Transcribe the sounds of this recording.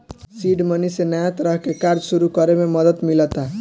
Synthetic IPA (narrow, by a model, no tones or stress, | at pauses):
siɖmənisenajat̪ɾəɦkekaɾd͡ʒsuɾukəɾememəd̪ət̪milət̪a